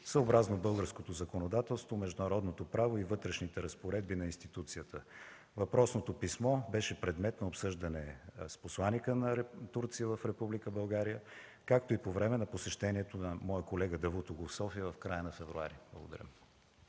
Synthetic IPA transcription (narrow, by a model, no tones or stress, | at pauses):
səobɾaznobɤlˠɡəɾskot̪ozɐkonod̪at̪ɛlˠst̪vomɛʒd̪unɐɾɔd̪not̪opɾavoivɤt̪ɾɛʃnit̪ɛɾɐspoɾɛd̪binɐinst̪it̪ut̪sijət̪ʰə | vɐpɾɔsnot̪opismɔbɛʃɛpɾɛd̪mɛt̪nɐopsɤʒd̪ɐnɛsposlˠanikənɐɾɛt̪uɾt̪sijəvəfɾɛpublikəbɐlˠɡaɾijə | kak̚t̪oipovɾɛmɛnɐposɛʃt̪ɛniɛt̪onɐmɔjəkolɛɡəd̪ɐvut̪oɡofsɔfiəvɐfkɾajənɐfɛvɾua̰ɾiblˠəɡod̪ɐ̰ɾʲə̰m